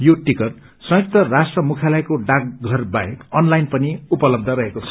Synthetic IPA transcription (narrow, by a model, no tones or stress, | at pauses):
joʈikʌr | sʌ̃jk̚t̪ʌrasʈrʌmukʰalʌjkoɖak̚ɡʱʌrbajekʌnlajnpʌniupʌlʌb̚d̪ʱʌɾʌɦekot͡sʰʌ̥